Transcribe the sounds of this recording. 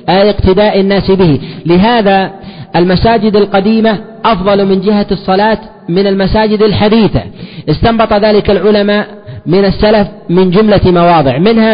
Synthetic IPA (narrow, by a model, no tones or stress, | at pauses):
ʔɪqt̪ɪd̪aːʔanːaːsbɪhilɪɦaːðaʔalmasaːd͡ʒɪd̪alqɑd̪iːma | ʔɑfðˤɑlmɪnd͡ʒɪɦaɨsˤːɑlɑːt̪ | mɪnalmasaːd͡ʒɪd̪alħad̪iːθa̰ʔɪst̪ɑmbɑt̪ˤɑðaːlɪkalʕʊlamaːʔ | mɪnasːalafmɪnd͡ʒʊmlamɑwɑːðˤɨʕmɪnha